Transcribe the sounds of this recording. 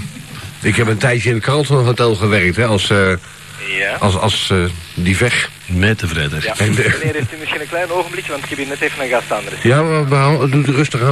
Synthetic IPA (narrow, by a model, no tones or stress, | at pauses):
ɪkɦɛpəntɛjtjəɪndəkʰalˠtɔnɔχətɛlˠχəʋɛrk̚tɦɛɑlˠs | aɑsdivɛx | mɛtəvrɛdərɛnɪɾeftymɪsχinənklɛjnowχəmblikjəʋɑntɪ̥kɛbjənɛtejvənaɡastandərəsjaʋaədutərøstəɣa